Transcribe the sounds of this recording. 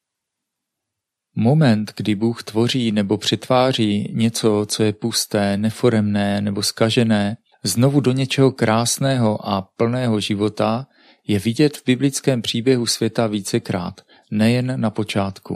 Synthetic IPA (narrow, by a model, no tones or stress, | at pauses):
mo̞mɛnt̪ɡdɪbuːxt̪vo̞r̝iːnɛbo̞pr̝̥ɛt̪vaːr̝iːɲɛt͡so̞t͡so̞jɛpust̪ɛːnɛfo̞ɾɛmnɛːnɛbo̞skaʒɛnɛː | zno̞vudo̞ɲɛt͡ʃɛɦo̞kɾʔaːsnɛːɦo̞ʔapl̩nɛːɦo̞ʒɪvo̞t̪a | jɛvɪɟɛt̪vbɪblɪt͡skɛːmpr̝̥iːbjɛɦusvjɛt̪aviːt͡sɛkɾa̰ːt̪ | nɛjɛnːapo̞t͡ʃaːt̪kṵ